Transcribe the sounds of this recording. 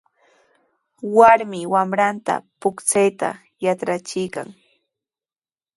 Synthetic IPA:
waɾmɪwamɾant̪a̰pʊkt͡sajt̪a̰ | jaʈ͡ʂɾat͡ʃɪjka̰ŋ

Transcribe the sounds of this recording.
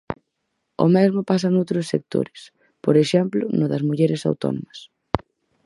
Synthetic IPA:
ʊ̰mɛzmʊpas̬ɐnowt̪ɾʊsːek̚t̪o̰ɾɪs | poɾeʃɛmplʊnʊðɐzmuʎɛɾɪsa̰wt̪ɔ̰no̰mɐs

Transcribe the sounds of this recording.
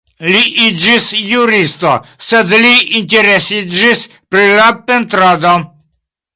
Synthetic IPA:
liʔid͡ʒisjuɾist̪o̰sed̪liinteɾesid͡ʒis | pɾilape̞nt̪ɾad̪o

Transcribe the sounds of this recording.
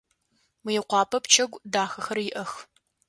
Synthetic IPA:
wijɛqʷɑːpʰɐpt͡ʃʰɐɡʷdaːxɐxɐrjɪʔɐx

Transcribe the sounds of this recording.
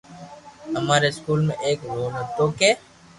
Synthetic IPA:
əmaːɾeɪskuːlmḛ̃ːʔeːkɾoːnət̪oːkeː

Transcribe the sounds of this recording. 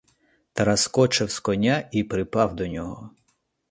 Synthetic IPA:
t̪ɐɾɐskɔt͡ʃɪwskɔnʲaipɾɪpɑwd̪ɔnʲɔɦɔɔ

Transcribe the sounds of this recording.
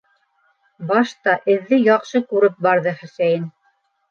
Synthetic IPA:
bɑʃt̪ɑʔɘ̆ðːɘjɑqʃɤkʉɾɘp̚bɑɾðɤχæ̆sæjɘn

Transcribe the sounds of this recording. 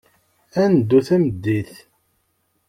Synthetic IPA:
ænd̪ːuθæməd̪ːiθ

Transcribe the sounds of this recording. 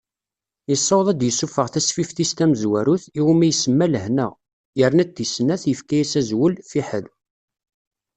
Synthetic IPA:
jisˤːowðˤæd̪jəsːufəʁθæsfifθist̪æməzwæɾuθiwumæjəsəmːæləhnə | jəɾnæt̪ːisnæθjəfkæjæsæzwəlfiħə̰l

